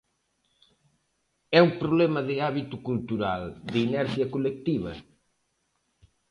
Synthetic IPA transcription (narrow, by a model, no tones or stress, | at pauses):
ɛũpɾuβlemɐðɪaβit̪ukulˠt̪uɾa̰lˠd̪ɪinɛɾsiɐkulek̚t̪iβɐ̰